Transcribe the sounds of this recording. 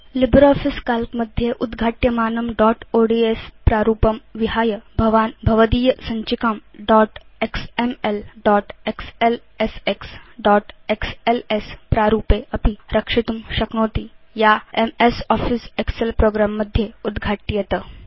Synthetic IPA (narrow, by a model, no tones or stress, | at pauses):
libɾɔːfiskalkməd̪ʱːjeʔud̪ɡʱaːʈjəmaːnɐmɖɔːʈoɽiespɾaɾuːpəmʋiɦaːjəbʱɐʋaːnbʱɐʋəd̪iːjəsɐɲt͡ɕikamɖɔʈeksemelɖɔʈeksel | eseksɖɔːʈekselespɾaɾuːpeɐpiɾʔɐkʂit̪umɕɐknoːt̪i | jaemesɔːfisekselpɾoːɡɾamːəd̪ʱjeud̪ɡʱaːʈːijɐt̪ə